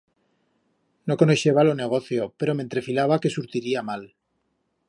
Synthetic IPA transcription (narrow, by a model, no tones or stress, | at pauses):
nokonoʃeβalone̞ɣ̞o̞θjo̞pe̞ɾo̞ment̪ɾe̞filaβake̞suɾt̪iɾiamal